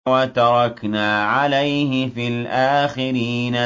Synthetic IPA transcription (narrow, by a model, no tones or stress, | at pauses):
wat̪ɑɾˤɑknaːʕalajhɪfilʔaːxɪɾiːna